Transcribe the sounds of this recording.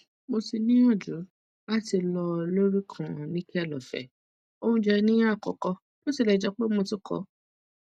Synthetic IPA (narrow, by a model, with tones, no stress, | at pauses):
mo˧si˧nĩ˦ɔ̃˦˨d͡ʒu˨˦ | la˦ti˧lɔ˧lo˦ɾi˦kʰã˨nĩ˦kʰɛ˦˨lɔ˨fɛ̰˨ | o˦˧ũ˧d͡ʒɛ˧nĩ˦a˦˨kɔ̰˨kɔ˧ | to˦si˧˨lɛ˧˨d͡ʒɛ˧k͡pe˦mo˧ti˦kʰɔ̰˨˦